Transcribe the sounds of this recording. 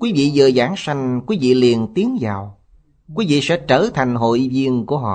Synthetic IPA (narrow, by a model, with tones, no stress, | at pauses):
kwi˨˦vḭ˧˨zəː˨˩zaː˧˩ŋsa˧jŋ̟kwi˨˦vḭ˧˨li˨˩ənt̪i˨˦əŋzaː˨˩w | kwi˨˦vḭ˧˨sɛ̰˧˥t͡ɕəː˧˩t̪ʰa˨˩jŋ̟ɦo̰˧˨jvi˧ənku˧˩əɦɔ̰˧˨